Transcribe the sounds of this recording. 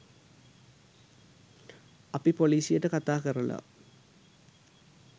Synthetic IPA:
ɐpːipoliːsijeʈːɨkɐt̪ːaːkɐrɐlo̰

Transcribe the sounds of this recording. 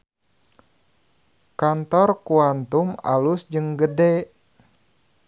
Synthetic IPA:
kant̪ɔrkuant̪uma̰lusd͡ʒɨŋɡədɛ

